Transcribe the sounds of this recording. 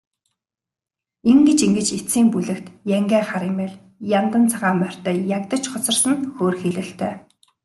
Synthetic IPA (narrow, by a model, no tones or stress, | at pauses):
eŋɡĕt͡ɕiŋɡɘ̆t͡ɕet͡siːmpuɮɘ̆kt̪jæŋɡæːχaɾɪmæːɮ | jant̪ə̆nt͡sʰaʁaːmœr̥ʲt̪œːjakt̪ə̆t͡ɕχɔt͡sɞ̆rsə̆nxoːrxiɮɘ̆ɬt̪ʰœː